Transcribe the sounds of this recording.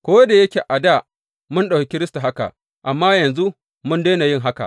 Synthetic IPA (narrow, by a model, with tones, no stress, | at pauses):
kʷoː˦da˨jɐ˦kʲeː˨ʔa˨da˦˨ | mʊ˦nɗa˨kʲi˦kʲɪ˦ɾɪ˦sta˨ɦa˦ka̰˨ʔ | ʔa˨mːaː˦jɐ˨nzu˦ | mʊ˦ndeː˦na˨jɪ˦ŋɦa˦ka̰˨ʔ